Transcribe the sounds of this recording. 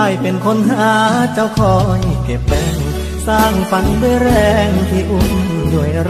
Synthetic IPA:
a˧˩jpe˧nkʰo˧˥˨nhaː˧˦t͡ɕa˧˩wkʰɔː˨˦ŋi˧ke˨˩p̚ːɛː˧˩ŋ | saː˧˩ŋfa˧˦ndu˧˩əjɾɛː˧˩ŋt̪ʰiː˧˩ʔu˧˩ŋ | du˧˩əjɾ

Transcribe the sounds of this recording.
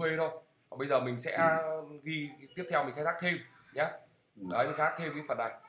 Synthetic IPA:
we˧ɾo˧j | vaː˨˩ɓə˧jzəː˨˩mï˨˩ŋ̟sɛ̰˧˥ɣi˧t̪i˦˥əp̚t̪ʰɛ˧wmi̟˨˩xaː˦˥t̪a˦˥t̪ʰe˧m | ɲa˨˦ | ɗəː˨˦jxxaː˦˥k̚t̪ʰe˧m˨˧˦fə˨˩na˨˩j

